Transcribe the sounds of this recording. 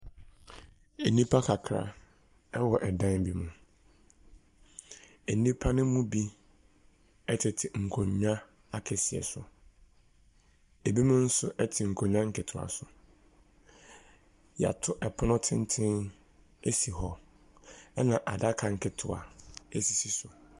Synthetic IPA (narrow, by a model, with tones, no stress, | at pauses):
e˨nĩ˦pʰa˦kʰa˨kʰɾa̰˨ | ɛ˦wɔ˨ʔɛ˨dã˦nbi˦mũ˨ | e˨nĩ˦pʰa˦nɪ̃˦mũ˦bi˦ | ɛ˦tʰɪ˨tʰɪ˨ŋ̩˨kʰõ˨ɲ˦ã˦ | a˦kʰɛ˨si˨ɛ̰˨sʊ̰˨ | e˨bi˦mʊ̃˦n̩˦sʊ˦ʔɛ˦tʰɪ˨ŋ̩˨kʰõ˨ɲᶣ˦ã˦ŋ̩˦kʰɪ˨tʰʊ˨a̰˨sʊ˨ | ja̰˨tʰʊ˦ʔɛ˨pʰʊ˦nʊ̃˦tʰɪ̃˦n˦tʰɪ̃˦n | e˦si˨ɦɔ˦ | ɛ˦nã˨ʔa˨da˦kʰa˨ŋ̩˨kʰɪ˦˨tʰʊ˨a̰˨e˦si˨si˨sʊ˨